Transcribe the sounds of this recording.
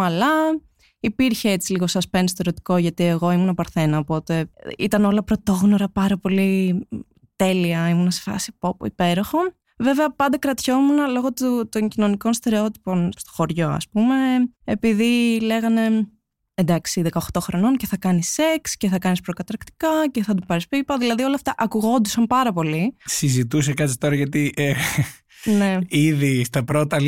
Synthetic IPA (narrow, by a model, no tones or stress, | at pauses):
ɐlɐ | ipiɾçe̞et͡siliɣo̞sɐspens̬t̪eɾet̪i̥koʝɐt̪ieɣo̞imunɐpɐɾθe̞nɐopo̞t̪e̞ḭt̪ɐno̞lɐpɾo̞t̪o̞ɣno̞ɾɐpɐɾɐpo̞li | t̪e̞liɐimunɐse̥fɐ̰si̥popṵipe̞ɾo̞xo̞ | ve̞veɐpɐnd̪ɐkɾɐt̪ço̞munɐlo̞ɣo̞t̪ut̪oɲcino̞niko̞nst̪e̞ɾeo̞t̪i̥po̞nst̪o̥xo̞ɾʝo̞ɐ̰spume̞epiðile̞ɣɐne̞ | end̪ɐksiðekɐoxt̪o̞xɾo̞no̞nce̞θɐkɐnise̞ksce̞θɐkɐnispɾo̞kɐt̪ɐɾkt̪i̥kɐce̞θɐd̪upɐɾispipɐðilɐðio̞lɐft̪ɐʔɐkuɣo̞nd̪usɐmpɐɾɐpo̞lisizit̪us̬ekɐt̪si̥t̪o̞ɾɐʝɐt̪iʔe | ne̞iðist̪ɐpɾo̞t̪ɐ